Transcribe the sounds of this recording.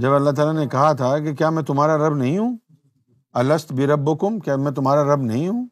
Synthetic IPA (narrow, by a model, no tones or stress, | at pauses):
d͡ʒɐbɐlːaɦt̪̬aːlanekɐɦat̪ʰak̬ekjaːmɛ̃t̪ʊmɦaːɾaɾɐbnɐɦĩɦũː | ɐlɐst̪bʱiɾɐbːʊkʊmkjaːmɛ̃ːt̪ʊmɦaːɾaɾɐbnɐɦĩɦũː